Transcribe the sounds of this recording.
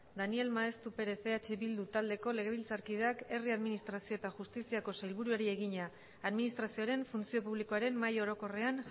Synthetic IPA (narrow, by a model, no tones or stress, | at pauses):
d̪anie̞lmaest̪upe̞ɾe̞θe̞at͡ʃe̞βild̪ut̪ald̪e̞ko̞le̞ɣe̞β̞ilt͡saɾkiðeake̞riaðminist̪ɾasio̞e̞t̪axust̪isiako̞sajlβuɾuaɾie̞ɣiɲaː | ðminist̪ɾasioaɾe̞ɱfunt͡sio̞puβliko̞aɾe̞mmːajo̞ɾo̞ko̞re̞an